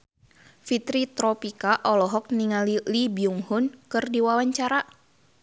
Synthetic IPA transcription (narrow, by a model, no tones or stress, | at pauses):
fit̪ɾit̪ɾɔpikaʔɔlɔɦɔk̚niŋalilibiuŋhʊnkɨrdiwawaɲt͡ʃaɾa